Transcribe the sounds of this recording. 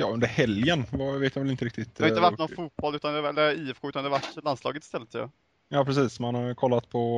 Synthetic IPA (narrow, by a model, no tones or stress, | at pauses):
jɑ̰ːɵnd̪əɾhɛljənvaveːt̪maʋɛlɪnt̪əɾɪkt̪ɪt̪haɪəvaʈːnɔnfuːt̪̚bɔlʉ̟t̪and̪ɛɛlːəiːɛfkʰoʉ̟t̪and̪ɛavaʈːlanslɑ̰ːɡət̪ɪ̥st̪ɛlːət̪ʰːjɑ̰ː | jɑːpʰɾɛsiːsmanhaɾkʰɔlːat̪̚pʰɔ